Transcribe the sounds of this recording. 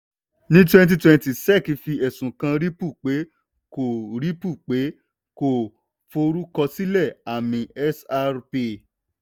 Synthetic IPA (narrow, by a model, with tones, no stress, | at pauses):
nĩ˦t̬wɛ̃˦t̬i˧twɛ̃˧nti˨sɛ˦˨ki˨˧fi˧ɛ˨sũ˨kã˧ɾi˦pu˦˨k͡pe˨˦ | ko˨ɾi˦pu˦˨k͡pe˨˦ | ko˨ | fo˧ɾu˦kɔ˧si˦lɛ˦˨a˨mĩ˨ɛ˦sa˧ɾpe˧˨